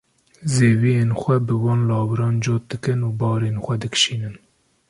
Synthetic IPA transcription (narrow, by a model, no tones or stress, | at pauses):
zeːvijeːnxʷɛbɨwɑːnlɑːwɨɾɑːnd͡ʒoːt̪̚d̪ɨkɨnuːbɑːɾeːnxʷɛd̪ɨkʃiːnɨn